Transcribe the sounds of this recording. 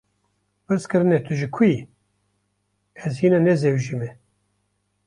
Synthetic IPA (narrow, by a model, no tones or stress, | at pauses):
pɨɾskɨɾɨnɛt̪ʰɨʒɨkʰi | ɛzhiːnanɛzewʒimɛ